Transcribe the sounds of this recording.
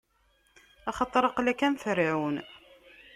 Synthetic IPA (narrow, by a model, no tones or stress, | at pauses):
ɑχɑt̪ˤːɾˤɑqlækːænθɾiʕwən